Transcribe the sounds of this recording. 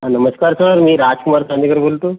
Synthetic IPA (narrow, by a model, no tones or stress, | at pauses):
ɦãnəməskaɾsəɾmiːɾad͡ʑkumaɾsand̪ikəɾbʱolt̪o